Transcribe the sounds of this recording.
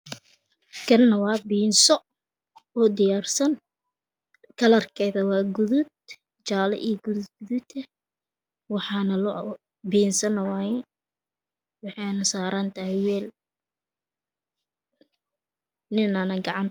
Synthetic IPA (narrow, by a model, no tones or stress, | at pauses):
kʰɐnːɐwɑːbiːnsɔ | ɔːd̪ɪjaːrsɐn | kʰɐlɐrkʰɛjðɐwɑːɡʊðʊd̪̚ | t͡ʃaːlɛ̰ʔiːɡʊðɡʊðʊt̪ʰɛ | wɑħɑːnɐlɔ | biːnsɐnɐwɑːɛn | wɑħɑjnɐsaːɾʔɐnt̪ʰɐɦɪwɛːl | nɪnanɐɡɑʕɑn